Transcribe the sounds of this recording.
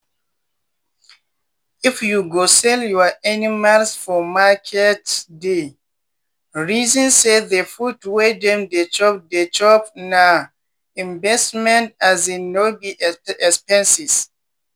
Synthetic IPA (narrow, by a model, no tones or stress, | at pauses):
ifjuɡosɛljɔaanimalsfɔmakʰɛtde | ɹizɔ̃nseðefudwedɛ̃mdet͡ʃɔp̚det͡ʃɔpna | ĩɱbɛstmɛ̃ntazinːobiɛspɛ̃nsis